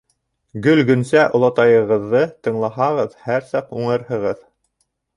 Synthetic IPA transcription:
ɡɵlɡɵ̆nsæʔŏlˠɑt̪ɑjɤ̆ʁɤ̆ðːɤt̪ɤ̆ɴlˠɑɦɑʁɤðhæɾsɑquɴɤ̆ɾhɤ̆ʁɤð

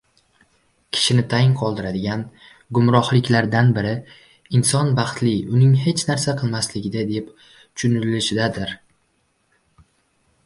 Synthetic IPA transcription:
kʲʰɪ̥ʃɪnɪt̪ʰajɪnqʰɒlˠd̪ɪɾad̪ɪɡʲan | ɡʊmɾɒhlˠɪkʲlaɾd̪anbɪɾɪ | ɪnsɒnbɑχt̪lɪʊnɪŋɦe̞t͡ʃnaɾsaqʰɨlˠmaslɪɡʲɪd̪ad̪ep | t͡ʃʰʊnɪllɪʃɪd̪ad̪ɪɾ

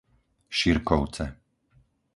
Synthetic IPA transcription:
ʃiɾkɔʊt͡sɛ

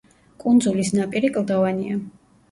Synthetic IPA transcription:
kʼund̪zulisnapʼiɾikʼlˠd̪ɔvania

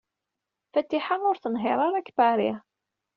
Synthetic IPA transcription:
fæt̪ːiħanʊɾθənɦɪɾˤɑɾˤakːbæɾi

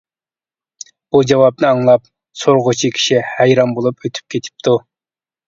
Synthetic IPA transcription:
b̥ud͡ʒɑwɑpnɨɑŋlˠɑp̚ | soɾʁʊt͡ʃʰikʲʰi̥ʃihæjɾɑmbolˠupøt̪ʰy̥p̚kʲʰet̪ʰɪ̥p̚t̪ʰu

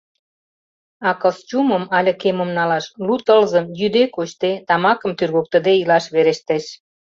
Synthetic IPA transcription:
ɑkɤst͡ɕumə̆mɑlʲə̆kemomnɑlɑʃlut̪əlzə̆mjyd̪ekot͡ɕt̪et̪ɑmɑkə̆mt̪yrɣok̚t̪ə̆d̪eilɑʃβeɾeʃt̪eʃ

